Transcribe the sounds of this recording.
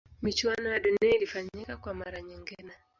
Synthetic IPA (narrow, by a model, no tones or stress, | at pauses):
mit͡ʃuwanɔjaɗunɛilifaɲikakwamaɾaɲiŋɡinɛ